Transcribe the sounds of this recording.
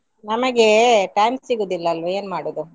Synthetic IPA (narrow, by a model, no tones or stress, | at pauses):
nɐmɐɡeʈɐjmsiɡoːd̪ilːɐːlʋue̞ːnmaːɽod̪u